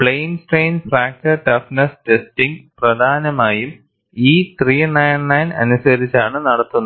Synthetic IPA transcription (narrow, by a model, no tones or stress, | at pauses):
pɭejnsʈrejnfraːk̚ʈɐʈɐfnɐstestiŋɡprɐd̪ʱaːnɐmaːjum | iːt̪riːnɐjnnɐjnɐ̰nusɐɾit͡ɕːaːɳɨnɐɽɐt̪ːunːɐ